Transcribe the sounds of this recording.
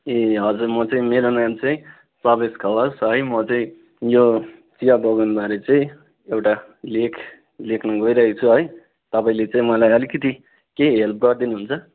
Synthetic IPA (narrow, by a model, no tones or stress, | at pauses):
eʌd͡zuɾmʌt͡sʌĩmeɾonamt͡sʌĩ | pʌbeskʰʌbʌsɦʌjmʌt͡sʌĩ | jot͡sijabʱʌɡanbʱaɾet͡saĩ | ewʈa | lekʰ | lekʰnʌɡʌiɾʌɦet͡sʰuɦʌj | t̪ʌpaĩlet͡saĩmʌlajʌlikʌt̪i | keɦelp̚ʰɡʌɾd̪inuɦunt͡sʰʌ